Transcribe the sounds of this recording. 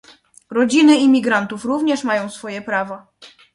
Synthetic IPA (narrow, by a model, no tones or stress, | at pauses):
ɾɔd͡ʑinɘimʲiɡɾant̪ufɾuvɲɛʂmajɔ̃w̃sfɔjɛpɾavɔ